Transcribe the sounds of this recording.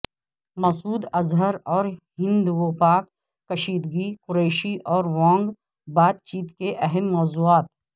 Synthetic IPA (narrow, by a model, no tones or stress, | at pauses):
mɐsuːd̪ɐzɦəɾɔːɾɦɪ̃nd̪uopaːkː | əʃiːd̪ɡikʊɾeːʃiʔɔːɾʋãːŋɡ | baːt̪̚t͡ʃiːt̪keʔɛɦɛmːɔːzuːaːt̪̚